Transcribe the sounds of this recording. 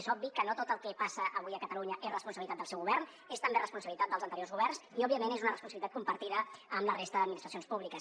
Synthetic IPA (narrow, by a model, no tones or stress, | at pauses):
sɔb̚bikənot̪ot̪əlˠkɛpasəʔəβujəkət̪əluɲəʔezrəspunsəβlit̪at̪əlˠsɛwɣuβɛrn | est̪əmberəspunsəβilit̪at̪d̪əlˠzənt̪əɾiozɣuβɛrnsiɔbiəmenezunərəspunsβilit̪at̪̚kumpəɾt̪iðəəmlərest̪əðəd̪minist̪ɾəsionspuβlikəs